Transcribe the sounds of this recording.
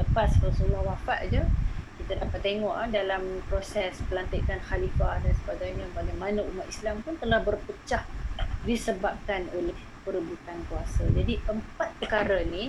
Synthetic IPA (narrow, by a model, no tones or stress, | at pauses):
ləpasrasulɔhwafaʔd͡ʒukit̪adapat̪ːeŋɔʔadalampɾosɛspəlant̪ikanxalifadansəbaɡajɲabaɡajmanəumat̪islampunt̪əlahbərpət͡ʃahdisəbap̚kanolɪh | pəɾəbut̪ankuasad͡ʒadiʔəmpat̪̚pəkaɾanĩ